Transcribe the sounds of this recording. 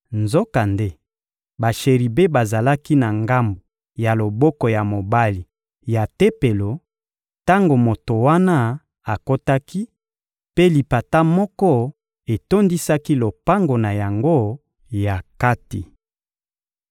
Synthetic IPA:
nzo˦ka˨nde˦ | ba˨ʃe˨ʁi˨be˦ba˨za˨la˦ki˦na˨ŋɡa˦mbo˨ | ja˨lo˨bɔ˦kɔ˨ja˨mo˨ba˦li˨ | ja˨te˦pe˨lo˨ | ta˦ŋɡo˨mo˨to˨wa˦na˦ | a˨ko˦ta˦ki˦ | pe˦li˨pa˨ta˦mɔ˦kɔ˦ | e˨to˦ndi˦sa˦ki˦lo˨pa˦ŋɡo˨na˨ja˨ŋɡo˦ | ja˨ka˦ti˨

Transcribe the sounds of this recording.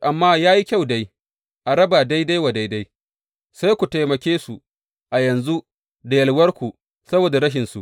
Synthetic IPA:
ʔa˨mːaː˦jaː˦ji˦kʲa˦˨wda˦j | ʔa˨ɾɐ˦ba˨da˦jda˦jwa˨da˦jda˦j | sa˦jkʷu˨ta˨jmɐ˨kʲeː˦su˨ | ʔa˨jɐ˨nzu˦ | da˨jɐ˨lwɐ˦rkʷu˨ | sɐ˦boː˨da˨ɾɐ˦ʃ̬ɪ˨nsṵ˨ʔ

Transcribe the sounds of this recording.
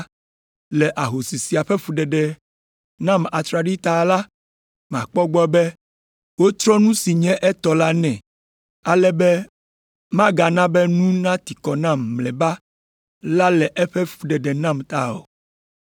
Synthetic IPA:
lɛ˨ʔa˨ɦo˨si˨si˨a˨ɸɛ˦ɸu˦ɖɛ˨ɖɛ˨ | nã˦˨ma˨t̪ɾa˨ɖi˦t̪a˨la˦ | m˨ã̰˨k͡pɔ˦ɡ͡bɔ˦bɛ˦ | wo˦t̪ɾɔ˦nũ˦si˨ɲɛ̃˦ʔɛ˦t̪ɔ˨la˦nɛ̃˨ | a˨lɛ˦bɛ˦ | mã˦ɡa˨nã˦bɛ˦nũ˦nã˦t̪i˨kɔ˨nã˦mːlɛ˨ba˦ | la˦lɛ˨ʔɛ˦ɸɛ˦ɸu˦ɖɛ˨ɖɛ˨nã˦mt̪a̰˦o̰˨

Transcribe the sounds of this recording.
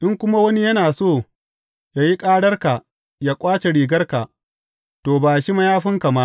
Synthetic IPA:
ʔɪ˦ŋkʷʊ˦ma˦wɐ˦ni˦jɐ˦naː˨soː˦˨ | jaː˦ji˦kʼaː˦ɽɐ˦rka˨ | jaː˦kʷʼaː˦t͡ʃe˨ɽiː˨ɡɐ˦rka˨ʔ | toː˨baː˨ʃi˦mɐ˦jaː˦ɸɪ˦ŋka˨ma˦ʔ

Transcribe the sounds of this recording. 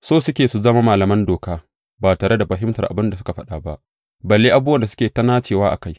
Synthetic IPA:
soː˦sʊ˦kʲeː˨su˨zɐ˦ma˦maː˨lɐ˨mɐ˦ndoː˨kaː˦ | baː˨taː˨ɽʔe˦da˨ɸɐ˨ɦɪ˦mtɐ˨rʔa̰˨bɪ˦nda˨sʊ˦ka˨ɸɐ˦ɗaː˨ba˦ʔ | bɐ˨lːeː˦ʔa˨bu˦wɐ˨nda˨sʊ˦kʲeː˨tɐ˦naː˦t͡ʃeː˨waː˦ʔa̰˨ka˦j

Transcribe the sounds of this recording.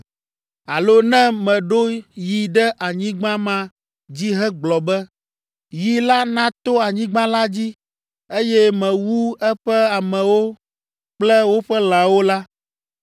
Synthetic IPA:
a˨lo˦nɛ̃˦mɛ̃˨ɖo˦ji˨ɖɛ˦ʔa˨ɲĩ˦ɡ͡bã˦mã˦ | d͡ʑi˦ɦɛ˦ɡ͡blɔ˨bɛ˦ | ji˨la˦nã˦t̪o˦a˨ɲĩ˦ɡ͡bã˦la˦d͡ʑi˦ | e˦jɛ˦mɛ̃˨wu˦ɛ˦ɸɛ˦a˨mɛ̃˨wo˦ | k͡plɛ˦wo˦ɸɛ˦l̃ã˨wo˦la˦

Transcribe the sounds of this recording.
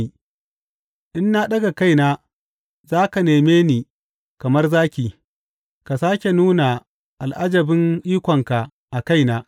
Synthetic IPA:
ʔɪ˦nːa˦ɗɐ˦ɡa˨ka˦jnaː˦ | zaː˦ka˨neː˨meː˦niː˨ | kɐ˨mɐ˦rzaː˦kʲiː˨ | ka˨saː˦kʲe˨nuː˦na˨ | ʔa˨lʔa˦d͡ʒɐ˨bɪ˦ŋʔiː˦kʷɔ˨ŋka˨ | ʔa˨ka˦jnaː˦

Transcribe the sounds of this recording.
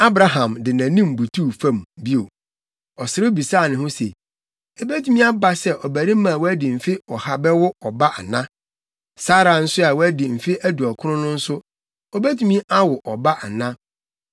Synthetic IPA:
a˦bɾa˨ɦã˨mdɪ˨nã˨nĩ˦mbu˨tʰuː˦˨fã˦˨mbi˦o˨ | ɔ˨sɪ˦ɾɪ˦bi˨saː˦˨nɪ̃˨hʊ̃˦se˨ | e˨bæ˦tʰu˨mĩ˦a˦ba˦sɛ˦ʔɔ˨bæ˨ɾi˦mã˨wɔ˦æ˦dɪ˨m̩˨fɪ˦ɔ˨ha˨bɛ˦wʊ˦ɔ˨ba˦ʔa˨nã˦ | saː˦ɾa˨n̩˦sʊ˦a˨wɔ˦æ˦dɪ˨m̩˨fi˦ʔæ˦du˨ɔ˨kʰʊ˦ʊ̃˦nʊ̃˦n̩˦sʊ˦ | ɔ˨bæ˦tʰu˨˦mĩ˦ʔa˦wʊ˨ʔɔ˨ba˦ʔa˨nã˦

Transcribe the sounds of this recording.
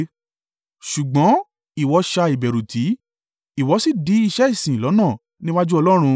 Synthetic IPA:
ʃu˨ɡ͡bɔ̃˨˦ | i˨wɔ˨˧˦ʃa˧i˨bɛ˨ɾu˨tʰi˨˦ | i˨wɔ˨˧˦si˦˨di˨˦i˧ʃɛ˦i˦˨sĩ˨lɔ˨˦nãː˦˨ | nĩ˦wa˦d͡ʒu˦ɔ˧lɔ˦ɾ̃ũ˧

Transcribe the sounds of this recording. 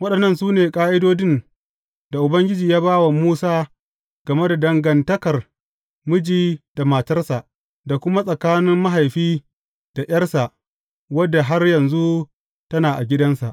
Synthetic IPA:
wɐ˦ɗɐ˨nːɐ˦˨nsuː˦neː˨kʼaː˦ʔɪ˦doː˦d͡ʒɪ˦n | da˨ʔʊ˨bɐ˦ŋɡʲɪ˦d͡ʒiː˨jaː˦baː˦wa˨muː˦saː˦ | ɡ̥ɐ˨me˦da˨dɐ˨ŋɡɐ˨ntɐ˦kɐ˨r | mʊ˦d͡ʒiː˦d̥a˨maː˨tɐ˦rsa˨ʔ | da˨kʷʊ˦ma˦sʼɐ˨kaː˦nɪ˦mːa˦ɦa˨jɸiː˦ | d̥a˨ʔj̰ɐ˦rsa˨ʔ | wɐ˦dːa˨ɦa˦rjɐ˨nzu˦ | tɐ˦naː˨ʔa˨ɡʲɪ˦dɐ˦nsa̰˨ʔ

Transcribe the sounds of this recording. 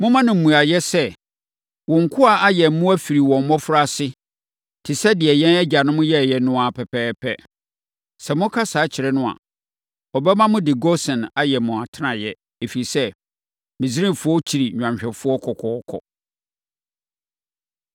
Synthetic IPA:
mʊ̃˦mã˦nɪ̃˨m̩˨mũ˨a˨jɛ˦sɛ˦ | wɔ̃˨ŋ̩˨kʰʊ˦a˨a˦jɛ˨˦mʊ̃˦æ˦fi˨ɾi˨wɔ̃˨m̩˨mɔ̃˦fʊ˦ɾa˦˨sɪ˦ | tʰɪ˨sɛ˦dɪ˨ɛ˨jɛ̃˦nɛ˦d͡ʑa˨nʊ̃˦mʊ̃˦jɛ˦˨jɛ˦nʊ̃˦a˨pʰɛ˨pʰɛː˦pʰɛ˦ | sɛ˨mʊ̃˦kʰa˦saː˨˦t͡ɕʰɪ˨ɾɛ˦nʊ̃˦a̰˨ | ɔ˨bɛ˦mã˦mʊ̃˦dɪ˨ɡɔ˦sɛ̃˨na˨jɛ˨mʊ̃˨a˨tʰɪ˦nã˨jɛ˦ | e˨fi˨ɾi˨sɛ˦ | mɪ̃˨zi˦ɾĩ˦˨fʊ˦ɔ˦t͡ɕʰi˨ɾi˨ɲᶣã˨mɕᶣɛ˨fʊ˦ɔ˦kʰɔ˨kʰɔ˨˦ɔ˦kʰɔ̰˨

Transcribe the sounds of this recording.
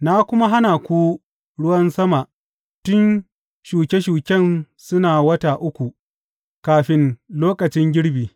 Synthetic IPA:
na˦kʷʊ˦ma˦ɦa˦na˨kʷuː˦ | ɽʊ˦wɐ˦nsɐ˦ma˨ʔ | tʊ˦n | ʃuː˨kʲe˦ʃuː˨kʲɛ˦˨n | sʊ˦naː˨wɐ˦taː˨ʔʊ˦kʷu˨ʔ | kaː˨ɸɪ˦nloː˦kɐ˨t͡ʃɪ˦ŋɡʲɪ˦ɽbiː˨

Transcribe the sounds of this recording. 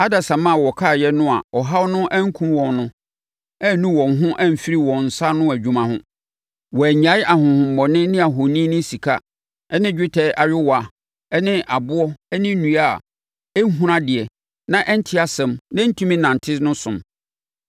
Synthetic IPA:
a˦da˨sã˨mã˦˨wɔ˨kʰaː˦˨jɛ˦nʊ̃˦a̰˨ɔ˨ɦa˦wnʊ̃˦ʔæ˦ŋ̩˦kʰũ˦wɔ̃˨nnʊ̃˦ | ɛ˦˨˦nũ˦wɔ̃˨ŋ˨ɦʊ̃˦ʔæ˦m̩˨fi˦ɾi˦wɔ̃˨n̩˨sa˦nʊ̃˦æ˨d͡ʑᶣu˨mã˨hʊ̃˦ | wɔ˨æ˨ɲa˨˦ɪ˦ʔa˨ɦʊ̃˨hʊ̃˨m̩ː˨ɔ˨nɪ̃˦nɪ̃˦a˨ɦo˨nĩ˦nʊ̃˦si˨kʰa˦ | ɛ˦nɪ̃˦d͡ʑᶣɪ˦tʰɛ˦ʔa˨ɥᶣɪ˦wa˨ | ɛ˦nɪ̃˦ʔa˨bʊ˦ɔ˦ɛ˦nɪ̃˦nũ˨a˦˨ | ɛ˦ɦũ˦ɾã˦dɪ˨ɛ˨ | nã˦ʔɛ˦n̩˦tʰɪ˦a˨sɛ̃˨mnã˦n̩˦tʰũ˦mĩ˦nã˨n˨tʰɪ˦snʊ̃˦sʊ̃˨m

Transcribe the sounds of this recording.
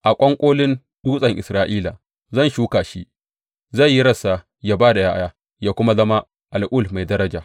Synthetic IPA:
ʔa˨kʷʼɔ˦ŋkʷʼoː˦lɪ˦n | ɗuː˦sʼɐ˨ŋʔɪ˨sɾaː˦ʔiː˦la˨ | zɐ˦˨nʃuː˦kaː˨ʃi˦ʔ | za˦˨jːi˦ɽɐ˨sa˨ | jaː˦baː˦da˨jaː˦ja˦ | jaː˦kʷʊ˦ma˦zɐ˦ma˦ | ʔa˨lʔʊ˦˨lma˨jdɐ˦ɾɐ˦d͡ʒaː˨

